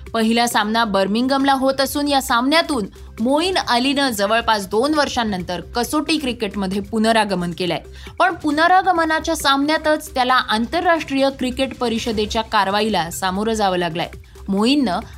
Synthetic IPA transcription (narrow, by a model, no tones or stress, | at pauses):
pəɦiljasamnabəɾmiŋɡəmlaɦot̪əsuːnjasamnjat̪uːn | moiːnalinəd͡zəʋəɭpat͡sd̪onʋəɾʂanːənt̪əɾkəsoʈiːkɾikeʈməd̪ʱːjepunəɾaɡəmənkela̰je | pəɳpunəɾaɡəmənat͡ɕjasamnjat̪ət͡st̪jalaʔant̪əɾːaʂʈɾijəkɾikeʈpəɾiɕəd̪et͡ɕjakaɾʋailasamoɾəd͡zaʋəːlaɡla̰jḛ | moinːə